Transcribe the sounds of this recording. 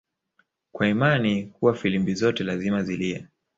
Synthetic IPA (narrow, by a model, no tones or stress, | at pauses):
kwaimanihuwafilimbizɔtɛlazimazilia